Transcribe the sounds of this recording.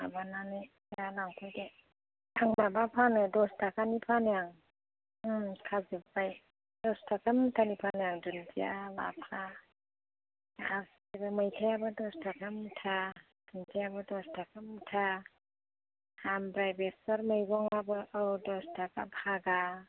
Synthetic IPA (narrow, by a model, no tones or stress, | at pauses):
abananɯ | alawkʰɔjde | aŋmabapʰanɯdɔstʰakʰanipʰanɯjaŋ | kʰazibpaj | d̥ɔstʰakʰamtʰanipʰanɯjaŋdunpijala̰pʰa | as | ibɯmajtʰajabɯdɔstʰakʰamtʰa | dɯntʰajabɯdɔstʰakʰamtʰa | hambɾajbesɔɾmajɡɔŋabɯʔawdɔstʰakʰapʰaɡa